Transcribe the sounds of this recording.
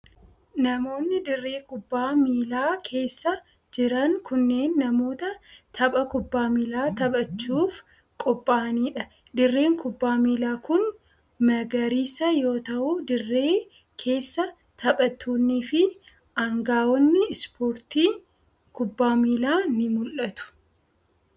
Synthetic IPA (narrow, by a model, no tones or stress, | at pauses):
nɐmo̞ːnːɪd̪ɪrːe̞ːkʊbːaːmiːlaːkʰe̞ːsːɐ | d͡ʒɪɾɐŋkʊnːe̞ːnːɐmo̞ːt̪ɐt̪ʰɐɓʼɐkʊbːaːmiːlaːt̪ɐbʼɐt͡ʃːuːf | kʼɔpʼːaːniːᶑɐ | d̪ɪrːe̞ːŋkʊbːaːmiːlaːkʊn | mɐɡɐɾiːsɐjo̞ːt̪ɐʔʊd̪ɪrːe̞ː | kʰe̞ːsːɐ | t̪ʰɐɓʼɐt̪ːuːnːiːfɪ | ɐŋɡaːwɔnːɪspoːɾt̪iː | kʊbːaːmiːlaːnɪmʊlʔɐt̪ʊ̥